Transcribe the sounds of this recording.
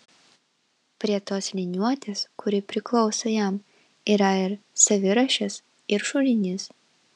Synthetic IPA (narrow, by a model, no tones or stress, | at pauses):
pʲɾʲiɛt̪oːslʲɪnʲuɔt̪ʲeːskʊɾʲɪpʲɾʲɪklˠɒʊsɐjɛˑm | iːɾɐɪɾsɐʋʲɪɾɐʃʲɛs | ɪɾʃʊlʲɪnʲɪs